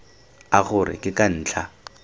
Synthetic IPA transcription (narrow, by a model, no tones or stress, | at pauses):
aχʊrɪ̰kɪkan̩ːt͡ɬʰa